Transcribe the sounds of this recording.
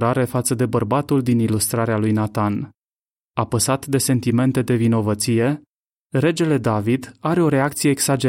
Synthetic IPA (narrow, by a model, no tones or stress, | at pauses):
ɾaɾe̞fat̪səd̪e̞bərbat̪uld̪inilust̪ɾaɾealujnat̪an | apəsat̪d̪e̞se̞nt̪ime̞nt̪e̞d̪e̞vino̞vət̪sije̞ | re̞d͡ʒe̞le̞d̪avid̪aɾe̞o̞ɾe̞akt̪sije̞ːksad͡ʒe